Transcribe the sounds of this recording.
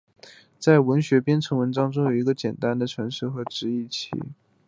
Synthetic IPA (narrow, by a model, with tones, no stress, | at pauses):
t͡sa˥˩ɪwə˧˥nɕɥɛ˧˥pjɛ˥nʈ͡ʂʰɤ˧˥ŋwə˧˥nʈ͡ʂɑ˥ŋʈ͡ʂʊ˥ŋjo˨˩i˧˥ɡə˧t͡ɕjɛ˨˩nt̪a˥nd̪ə˨ʈ͡ʂʰɤ˧˥ŋʂɻ̩˥˩xɤ˧˥ʈ͡ʂɻ̩˧˥i˥˩t͡ɕʰḭ˧˥